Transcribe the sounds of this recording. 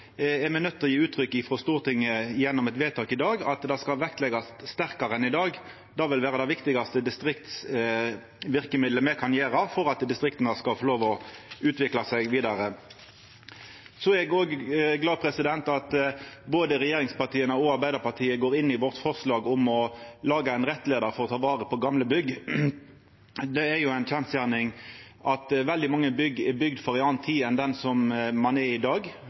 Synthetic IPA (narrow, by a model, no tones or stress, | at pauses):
ɛʁmɛnœt̪ːɔjiːʉːt̪ʰʁʏkːɪfʁɔst̪uːʁt̪ʰɪŋːəɪjɛnːɔmɛt̪ʋeːt̪ʰɑːkɪd̪ɑːɡɑ̰t̪d̪ɑskɑʋɛkt̪lɛɡɑsst̪æʁkɑʁənɪd̪ɑːɡ | d̪ɑːʋɪlʋæːʁəd̪ɛɪʋɪkt̪ɪɡɑst̪əd̪ɪst̪ʁɪkt̪s | ʋɪʁkəmɪd̪ləmɛkʰɑnjeːɾɑfɔʁɑt̪d̪ɪst̪ʁɪkt̪ənəskɑlfɔʁloːʋɔʉːt̪ʋɪklɑsɛɪɡʋiːd̪ɑɾə | sɔɛɡoːɡɡlɑːpʰɾɛsɪd̪ɛnt̪ɑt̪boːd̪əɾɛjeːɾɪŋspɑʁt̪ʰiːənəɔɑɾbæɪd̪əpɑʁt̪ʰiːəɡoːɾɪnːɪʋɔʁt̪fɔʁslɑːɡʊmɔlɑːɡəɛɪnʁɛt̪ːleːd̪əɾfɔɾɔt̪ʰɑːʋɑːʁəpʰɔɡɑmləbʏɡ | d̪ɛːɾjʊæɪntʰænsjæʁnɪŋʔɑt̪ʋɛld̪ɪmɑŋːəbʏɡɛbʏɡd̪fɔʁɪɑːnt̪ʰːiːɛnd̪ɛnsɔmmɑnɛɾɪd̪ɑːɡ